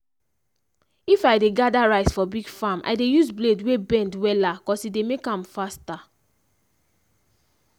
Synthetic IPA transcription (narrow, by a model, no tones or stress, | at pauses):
ifajdeɡadaɹaɪsfɔbiɡfamʔa̰jdejuzbledwebɛ̃ndwɛlakɔsidemekãmfasta